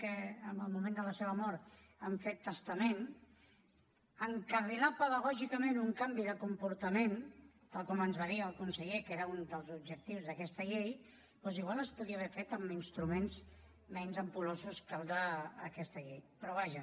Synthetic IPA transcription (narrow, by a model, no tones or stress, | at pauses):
kɛəməlˠmumẽnd̪ələseβ̞əmɔɾt̪əɱfet̪ːəst̪əmen | əŋkərilapəðəɣɔʒikəmẽnuŋkambiðəkumpuɾt̪əmen | t̪alˠkɔmənzβaðiəlˠkunsəʎekeɾəund̪əlˠzub̚ʒək̚t̪iwzðəkɛst̪əʎej | pɔziɣwaləspuðiəβɛfet̪əminst̪ɾumenz | mɛnzəmpulozuskalˠd̪əːkɛst̪əʎejpɾɔβaʒə